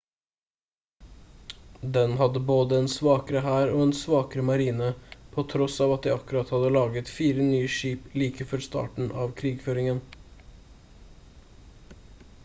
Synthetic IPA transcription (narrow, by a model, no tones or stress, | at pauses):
d̪ɛnɦɑd̪ːəboːd̪əɛnsʋɑːkəɾəɦæːɾoːɛnsʋɑːkəɾəmɑɾiːnəpʰot̪ʰɾɔsɑːʋɑt̪̚d̪ɛɑkːʉɾɑt̪hɑd̪əlɑːɡət̪fiːɾənyːəʃiːpliːkəfɔɾst̪ɑ̰ːʈɳ̩ʔɑːʋkʰɾiːɡføːɾɪŋən